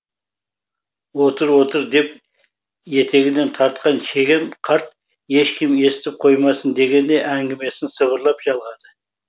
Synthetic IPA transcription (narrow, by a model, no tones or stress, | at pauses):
wo̞t̪əɾwo̞t̪əɾd̪e̞p | je̞t̪ʰe̞ɡʲɪd̪e̞nt̪ʰɑɾt̪̚qɑnʃe̞ɡʲɪmqʰɑɾt̪ | je̞ʃkʲʰɪme̞sɪt̪ɪp̚qʰo̞jmɑsənd̪e̞ɡʲe̞nd̪e̞ʔæŋɡʲɪme̞sɪnsəβəɾlˠɑpʒ̥ɑlˠʁɑd̪ə